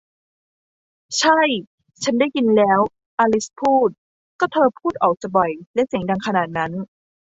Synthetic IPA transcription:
t͡ɕʰa˥˩j | t͡ɕʰa˦˥nda˥˩jki˧nlɛː˦˥w | ʔaː˧li˦˥spʰuː˥˩t̪̚ | kɔː˥˩t̪ʰɤː˧pʰuː˥˩t̪̚ʔɔː˨˩k̚t͡ɕa˨˩bɔ˨˩jlɛ˦˥si˨˩˦ŋda˧ŋkʰa˧naː˨˩t̪̚na˦˥n

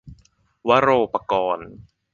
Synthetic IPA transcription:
wa˦˥ɾoː˧pa˧kɔː˧n

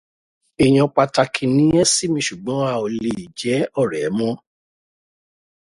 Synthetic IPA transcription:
e˨j̃ɔ̃˧k͡pa˧ta˧kʰĩ˧nĩ˨˦ɛ̃˦si˦mĩ˧ʃu˨ɡ͡bɔ̃˨˦a˧˨o˧le˧˨i˨d͡ʒɛ˨˦ɔ˦˨ɾɛ˨˦mɔ̃˦

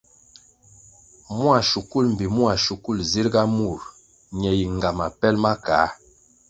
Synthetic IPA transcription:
mu˦a˨ʃu˨ku˦˨lm̩˨bi˨mwa˨ʃu˨ku˦˨lzi˦ɾɡa˦mu˨ɾ | ɲɛ˨ji˨ŋ˨ɡa˨ma˨pɛ˦lma˦kaː˨˦

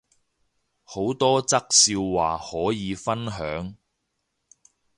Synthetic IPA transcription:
ho˨˥wt̪ɔː˥t͡sɐ˥k̚siː˧wwaː˨˩hɔː˨˥jiː˨˧fɐ˥nɦœː˨˥ŋ

